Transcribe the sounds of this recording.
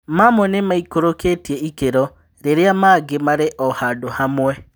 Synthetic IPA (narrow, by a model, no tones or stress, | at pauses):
mamɔnemaikoɾoketiɛikeɾɔ | ɾeɾeamaːɡemaɾeʔɔhadohamwɛ